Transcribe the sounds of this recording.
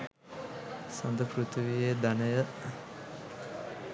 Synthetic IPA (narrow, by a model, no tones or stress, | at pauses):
sɐnd̪əpɾut̪uʋijed̪anəjə